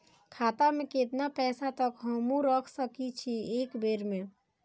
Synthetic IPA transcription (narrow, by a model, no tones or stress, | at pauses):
kʰat̪ameket̪napɛsat̪əkɦəmũɾəkʰsəkit͡ʃʰiekbeɾme